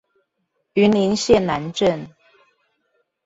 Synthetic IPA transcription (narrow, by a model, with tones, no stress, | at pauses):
y˨˦ni˧˦nɕjɛ˥˨nna˧˦nʈ͡ʂə˥˨n